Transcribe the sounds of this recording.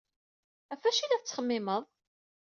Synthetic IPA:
æfæʃilæθt͡sːχəmːɪməðˤ

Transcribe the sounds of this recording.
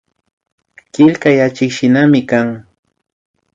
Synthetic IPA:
kɪlkajat͡ʃɪkʃɪnamɪkaŋ

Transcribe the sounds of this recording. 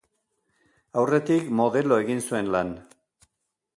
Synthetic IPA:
awre̞t̪ikmo̞ðe̞lo̞e̞ɣinsue̞nlan

